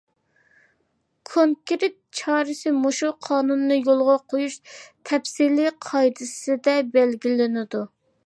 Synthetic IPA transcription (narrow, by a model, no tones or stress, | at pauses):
kʰoŋkʲɾet̪̚t͡ʃʰɑːɾɨsɪmoʃuqʰɑːnunːɨjolˠʁɑqʰojuʃt̪ʰɛpsiliqʰɑjd̪ɨsɪd̪ɛbɛlɡʲilɪnɪd̪u